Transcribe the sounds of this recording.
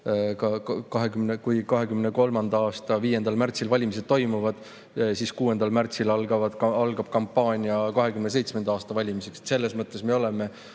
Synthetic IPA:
kɑkkɑɦe̞kymnekujkɑɦe̞kymneko̞lmɑnd̪ɑɑːst̪ɑviːje̞nd̪ɑlmært̪silvɑlʲimis̬e̥t̪o̞jmuvɑd̪̥ | siskuːe̞nd̪ɑlmært̪silɑlɡ̥ɑvɑd̪̥ɑlɡ̥ɑb̥̚kɑmpːˑɑːnʲiɑkɑɦe̞kymnese̞jt̪sme̞nd̪ɑɑːst̪ɑvɑlʲimise̞kse̥t̪se̞lːe̞smɤt̪ːˑe̞sme̞o̞le̞me̞

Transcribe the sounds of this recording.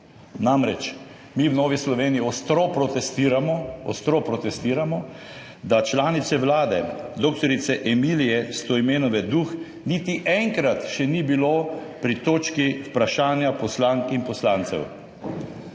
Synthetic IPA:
namɾɛt͡ʃ | miwnɔːʋislɔʋeːnijiɔst̪ɾopɾɔt̪ɛst̪iːɾamɔɔ̰st̪ɾopɾɔt̪ɛst̪iːɾamɔ | d̪at͡ʃlaːnit̪sɛʋlaːd̪ɛ̰d̪oːk̚t̪ɔɾit̪sɛʔɛmilijɛst̪oːimeːnɔʋɛd̪ux | nit̪iʔɛŋkɾat̪ʃɛnibiloː | pɾit̪oːt͡ʃkiwpɾaʃaːnjapɔslaŋkinpɔslaːnt̪sɛ̰w

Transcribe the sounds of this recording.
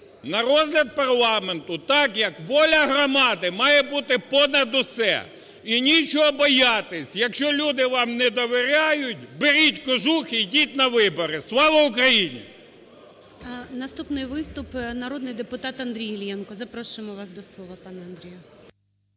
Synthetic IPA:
nɐɾɔzlʲɐd̪̚pɐrlˠɑment̪ʊt̪ɑkjɐkʋɔlʲɐɦɾɔmɑd̪ɪmɑjɛbut̪ɪpɔnɐd̪ʊsɛ̰ | inʲit͡ʃɔɦɔbɔjɑt̪esʲjɐkʃt͡ʃɔlʲud̪ɪʋɑmnɛd̪ɔʋeɾʲajʊt̚ʲbɪɾʲitʲkɔʒuxijdʲitʲnɐʋɪbɔɾɪslˠɑʋɐʊkɾɐjinʲḭ | nɐst̪upnɪjʋɪst̪ʊpnɐɾɔd̪nɪjd̪epʊt̪ɑt̪ɐnd̪ɾʲijɪlʲjɛnkɔzɐpɾɔʃʊɪmɔʋɑsd̪ɔslˠɔʋɐpɑnɛɐnd̪ɾʲijʊ

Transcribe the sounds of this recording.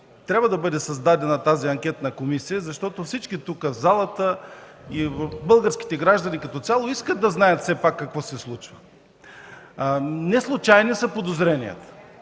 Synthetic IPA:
t̪ɾʲabvəd̪ɐbɤd̪ɛsɐzd̪ad̪ɛnɐt̪aziɐŋkʲɛt̪nɐkomisijəzɐʃt̪ɔt̪ofsit͡ʃkit̪ukəzalˠɐt̪əivɐfbɤlˠɡəɾsk̟i̥t̪ɛɡɾaʒd̪ɐnikɐt̪ɔt̪sʲalˠoiskət̪̚d̪ɐznajət̪fsɛpakːɐkvɔsɛslˠut͡ʃvə | nɛslˠut͡ʃajnisɐpod̪ozɾɛnijə̰t̪ə̥

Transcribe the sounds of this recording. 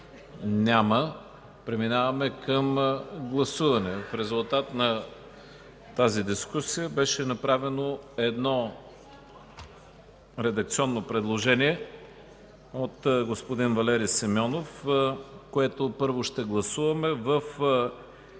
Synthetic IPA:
nʲamə | pɾɛminavɐmɛkəmɡlˠɐsuvɐnɛfɾɛzulˠt̪at̪nɐ | t̪azid̪iskusijəbɛʃɛnɐpɾavɛnoɛd̪nɔ | ɾɛd̪ɐk̚t̪siɔnːopɾɛd̪lˠoʒɛniɛ | ot̪ɡospod̪invɐlɛɾisimʲɔnof | koɛt̪opɤɾvoʃt̪ɛɡlˠɐsuvɐmɛvəf

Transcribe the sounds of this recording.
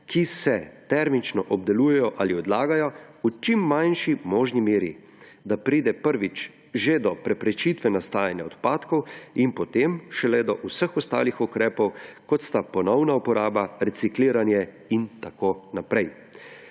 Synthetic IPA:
kʰisɛt̪ɛɾmit͡ʃnɔʔɔbd̪ɛluːjɛjɔʔaliɔd̪laːɡajɔut͡ʃimːanʃimɔːʒnimeːɾi | d̪apɾiːd̪ɛpəɾʋit͡ʃ | ʒed̪ɔpɾɛpɾɛt͡ʃiːt̪ʋɛnast̪aːjanjaɔt̪paːt̪kɔwinpɔt̪emʃɛlɛd̪ɔʔusəxɔst̪a̰ːlixɔkɾɛːpɔwkɔt̪st̪apɔnɔwnaupɔɾaːbaɾɛsikliːɾanjɛ | int̪akoːnapɾɛj

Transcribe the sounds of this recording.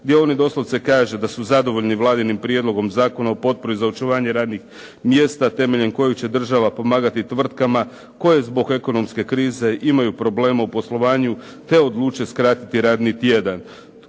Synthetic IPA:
d̪jelonid̪o̞slˠo̞ʋt̪sekaːʒed̪asuzad̪o̞ʋo̞ʎniʋlˠaːd̪inimpɾje̞d̪lˠo̞ɡo̞mzaːko̞naopo̞t̪̚po̞ɾizaot͡ʃuʋaːɲe̞ɾaːd̪nix | mje̞st̪at̪e̞me̞ʎe̞mko̞jekt͡ɕe̞d̪r̩ʒaʋapo̞maːɡat̪it̪ʋr̩t̪kama | ko̞je̞zbo̞ɡe̞ko̞no̞mske̞kɾiːze̞ʔimajupɾo̞ble̞ːmaupo̞slˠo̞ʋaːɲu | t̪e̞od̪lˠuːt͡ʃje̞skɾaːt̪it̪iɾaːd̪nit̪je̞d̪an

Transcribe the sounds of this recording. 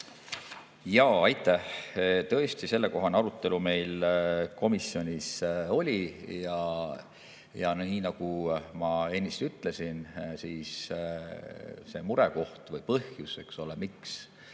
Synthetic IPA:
jɑːɑjt̪ːˑæht̪ɤ̞e̞st̪ise̞lːe̞ko̞ɦɑneɑɾut̪ːˑe̞lume̞jlko̞misːio̞nʲiso̞lʲijɑ | jɑnniːnɑɡ̥umɑe̞nʲːist̪yt̪ːˑle̞sinsiːs | se̞muɾe̞ko̞ht̪vɤjpɤhjuse̞kso̞lemiks

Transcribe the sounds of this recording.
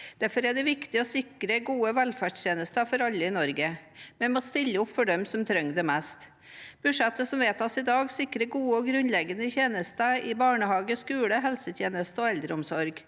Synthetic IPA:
d̪̥æɾfɔɾæɖ̪ɛʋɪkt̪ɪɔsɪkɾəɡuːəʋɛlfæʂt̪jeːnəst̪əfɔɾɑlːəɪnɔɾɡəmɛnmoːst̪ɪlːəʊpfɔɖɛmsɔmt̪ʰɾœŋd̪ɛmɛst̪ | b̥ʉʂɛt̪ːəsɔmʋeːt̪ɑsɪd̪ɑːɡsɪkːɾəɡuːəɔɡɾʉnlɛɡənəçeːnəst̪əɪbɑːɳəhɑːɡəskʉːɽəɦɛlsət̪ʰjeːnəst̪əɔɛld̪ɾəʊmsɔɾɡ

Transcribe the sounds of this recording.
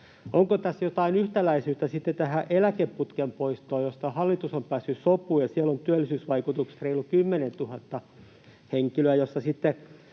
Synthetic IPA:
ʔoŋkot̪æsjot̪ɑinyht̪ælæisyːt̪ːæsit̪ːet̪æhæʔelækeppːut̪kempoist̪oːjost̪ɑhɑlːit̪usompæːsːyssopːˑuːjɑsiælːont̪yælːisyːsʋɑikut̪uksreilːukymːenent̪uhɑt̪ːɑ | heŋkiløæjosːɑsit̪ːe

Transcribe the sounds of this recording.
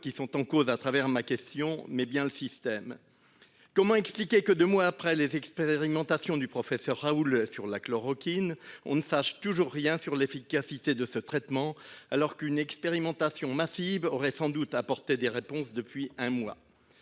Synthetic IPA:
kʲisɔ̃t̪ɑ̃kozat̪χavɛʁmakʲɛst̪jɔ̃mɛbjɛ̃ləsist̪ɛm | kɔmɑ̃ɛksplikʲekəd̪ømwaːpχɛlezɛkspeʁimɑ̃t̪asjɔ̃d̪ypχɔfɛsœʁːaulsyʁlaklɔʁɔkʲinɔ̃nəsaʃt̪uʒuʁːjɛ̃syʁlefikasit̪ed̪əsət̪χɛt̪mɑ̃alɔʁkynɛkspeʁimɑ̃t̪asjɔ̃masivɔʁɛsɑ̃d̪ut̪apɔʁt̪ed̪eʁepɔ̃sd̪əpɥiɛ̃mwa̰

